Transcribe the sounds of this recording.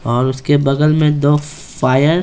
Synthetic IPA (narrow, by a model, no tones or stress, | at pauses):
ɔːɾʊskebɐɡəlmẽd̪oː | faːjəɾ